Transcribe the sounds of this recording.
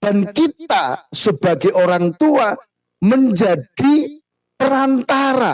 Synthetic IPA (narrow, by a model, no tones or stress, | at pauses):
b̥ankit̪asəb̥aɡeʔoɾaŋt̪ua | məɲd͡ʒaɖ̥i | pəɾant̪aɾa